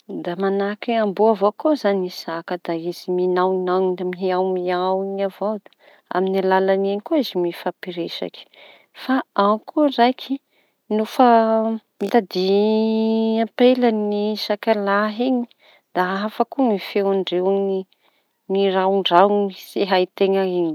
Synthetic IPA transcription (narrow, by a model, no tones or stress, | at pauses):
d̪amanakiambuavokozanisakəd̪aiziminawinawniamiɦiawmiawiɲavowd̪ḁ | a̰minalalaneɲikoizimifapiɾeʃa̰ki̥ | faakʰurajkʰi̥ | nofə | mit̪ad̪i | ampelaniʃakalaɦiɲi̥ | d̪̥aafakumifewaɳɖ͡ʐewni | niɾaɳɖ͡ʐawnseɦait̪eŋəeɲi